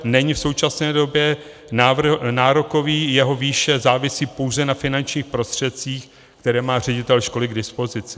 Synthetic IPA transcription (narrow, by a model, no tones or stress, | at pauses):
nɛɲɪfso̞wt͡ʃasnɛːdo̞bjɛ | navnaːɾoko̞viːjɛɦo̞viːʃɛzaːvɪsiːpo̞wzɛnafɪnant͡ʃɲiːxpɾo̞st̪r̝̥ɛt̪t͡siːx | kt̪ɛɾɛːmaːr̝ɛɟɪt̪ɛlʃko̞lɪɡdɪspo̞zɪt͡sɪ